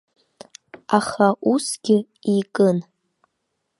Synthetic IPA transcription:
aχaʔusɡʲɪ | ikʼɨn

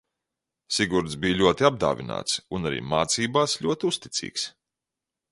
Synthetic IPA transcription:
siɡuɾt̪zbiːjlʲuɔt̪iab̚d̪a̰ːvʲina̰ːt̪sunaɾḭːmaːt̪siːbaːsʎʲuɔt̪iust̪i̥t̪sḭːks

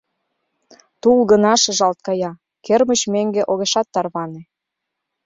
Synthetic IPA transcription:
t̪ulɣənɑʃɤʒɑlt̪̚kɑjɑ | kermə̆t͡ɕmeŋɡeʔoɣeʃɑt̪ːɑrβɑnĕ

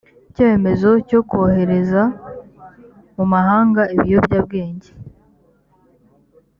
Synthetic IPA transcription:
coeme̞zo̞co̞kuohe̞ɾe̞za | mumaɦaːŋɡaiβijobɟab̚ɡe̞ːɲɟe

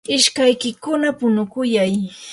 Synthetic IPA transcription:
ɪʃkajkɪkʊnapʊnʊkʊjaj

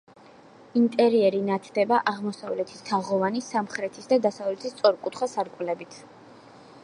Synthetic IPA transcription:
int̪ʼɛɾiɛɾinat̪ʰd̪ɛbaʔaʁmɔsavlɛt̪ʰi̥st̪ʰaʁɔvanisamχɾɛt̪ʰisd̪ad̪asavlɛt̪ʰist̪sʼɔɾkʼut̪ʰχasaɾkʼwlɛbit̪ʰ

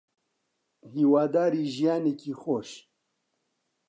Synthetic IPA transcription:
hiːwaːd̪aːɾiːʒijaːnekiːxoːʃ

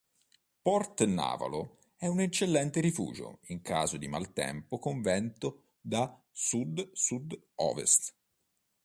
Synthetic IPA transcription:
pɔrt̪na̰ːva̰lo | ɛunet͡ʃːelːɛnt̪eɾifṵːd͡ʒo̰iŋkʰaːzod̪ima̰lt̪ɛ̰mpokoɱvɛnt̪o | d̪a | sud̪sud̪ | ɔ̰ːvḛst̪

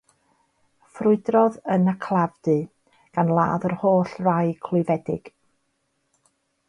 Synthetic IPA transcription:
frʊɨdrɔðənakʰlˠavdɨ | ɡ̥anlˠa̰ːðərhoːɬrajkʰlˠʊɨvɛdɪɡ̥

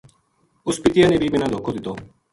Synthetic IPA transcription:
ʊspɪt̪ɪjãːneːbʱiːbɪnãːd̪oːkʰoːd̪ɪt̪oː

